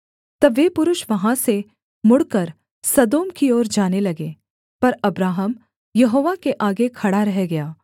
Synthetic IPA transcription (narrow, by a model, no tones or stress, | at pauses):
t̪ɐːeːpʊɾʊʃʋɐɦãse | mʊɽkɐɾ | sɐd̪oːmkioːɾd͡ʒaːnelɐɡeː | pɐɾɐbɾaːɦəm | jɐɦoːʋakeʔaːɡekʰɐɽaɾɛɦeɡɐjaː